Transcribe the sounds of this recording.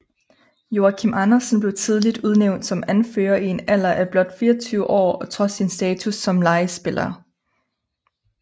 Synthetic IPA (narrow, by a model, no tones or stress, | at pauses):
jo̝ækʰimɑnɐsənb̥le̝ʊt͡sʰið̞ˠlid̥uð̞ˠneʊ̰nd̥sɒ̽mænfø̰ːɐie̝næl̰ɐʔæb̥lɒ̽d̥fiːɐt͡sʰyːʊəʔɒ̰ːɒ̽t͡sʰʁɒ̽sinsd̥ɛːt͡sʰusːɒ̽mlɑ̈ɪsb̥e̝lʔɐː